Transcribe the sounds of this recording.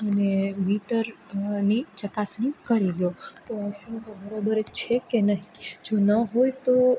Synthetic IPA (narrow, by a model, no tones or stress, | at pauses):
ənemiʈəɾnit͡ʃəkasnikəɭiljot̪oʃũt̪obəɾobəɾet͡ʃʰekenaɦid͡ʒonəɦojt̪o